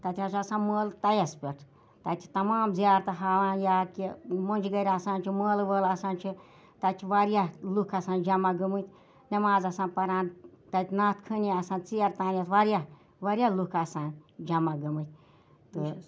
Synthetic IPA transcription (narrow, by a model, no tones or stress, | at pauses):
t̪ɐt̪ʲʰat͡ʃasãːnməːlt̪ɐjɐspʲeʈʰ | t̪ɐt̪ʰi̥t̪ɐmaːmzjaːɾt̪ɨɦaːʋãːjaːkimonʲd͡ʒɡɐɾʲasaːnt͡ʃʰiməːlʋəːlasaːnʲt͡ʃʰi | t̪ɐt̪ʲʰiʋaɾjalukʰɐsaːnd͡ʒɐmaɡɨmɨt̪ʰʲ | nʲɐmaːzɐsãːnpɐɾaːnt̪ɐt̪ʲʰnaːt̪kʰɨniasãːnt͡sijɐɾt̪aːnjɐsʋaɾja | ʋɐɾijalukʰasaːnd͡ʒɐmaɡɨmɨt̪̚ʲʰ | t̪ɨ